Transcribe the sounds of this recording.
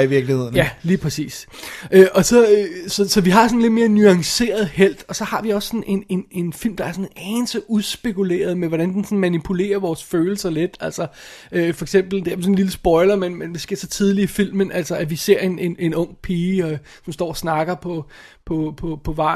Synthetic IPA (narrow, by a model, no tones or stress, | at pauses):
iʋiɐɡ̥lihe̝ð̰ˠn̩jæliːpʰʁɛsḭːsʔøːʔɒ̽sɒ̽øsɒ̽sɒ̽ʋiɦɑ̈sɒ̽n̩le̝d̥me̝ːɐnyɑ̈ŋse̝̰ːɐð̞̩ˠhel̰d̥ɒ̽sɒ̽hɑ̈ʋiɒ̽sːɒ̽ne̝ne̝ne̝nfil̰md̥ɑ̈æɐsɔ̽nʔɛːnsəʔuðˠsb̥e̝kule̝̰ːɐð̞ˠmeʋɒɾænd̥ensɒ̽n̩mænipʰule̝̰ːɐʋɒːsføːl̩sɐle̝d̥æl̰sɒøfɒ̽eɡ̥sem̰b̥l̩d̥eæɐʋsɔ̽nliləsb̥ɒ̽ɪlɐmenmend̥esɡ̥e̝ɐsɒt͡sʰið̞ˠliifil̰mənʔæl̰sɐæʋise̝ɐ̰e̝ne̝ne̝nɔ̽ŋ̰pʰiːɒ | sɒ̽msd̥ɒ̰ːɐsnɑ̈ɡ̥ɐpʰɒ̽ | pʰɒ̽pʰɒ̽pʰɒ̽ʋɑ̰̈